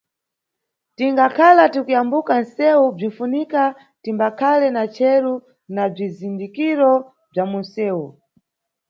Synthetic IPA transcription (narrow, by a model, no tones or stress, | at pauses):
tiŋɡakʰalatikujambukan̩sɛub͡ʐinfunika | timbakʰalɛnat͡ʃʰɛɾu | nab͡ʐizindikiɾɔ | b͡ʐamunsɛːu